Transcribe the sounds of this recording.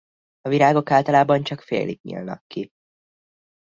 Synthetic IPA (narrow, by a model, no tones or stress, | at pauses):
ɒviɾaːɡo̞kaːlt̪ɒlaːbɒnt͡ʃɒkfḛːlḭɡɲḭlnɒ̰kːi